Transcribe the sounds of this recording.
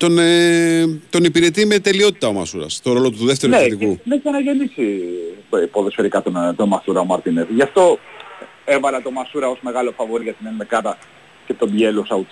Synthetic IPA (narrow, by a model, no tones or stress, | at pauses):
t̪o̞ne | t̪o̞nipiɾe̞t̪ime̞t̪e̞lio̞t̪i̥t̪ɐomɐ̰suɾɐ̰st̪o̞ɾo̞lo̞t̪uðet̪eɾunet̪ikunesɐnɐʝenisi | poðesfe̞ɾikɐt̪ont̪onmɐsuɾɐomɐɾt̪inesʝɐft̪o̞ | evɐlɐt̪o̞mɐsuɾɐo̞zme̞ɣɐlo̞fɐvo̞ɾiʝɐt̪inenmekɐðɐ | cet̪omjelosɐu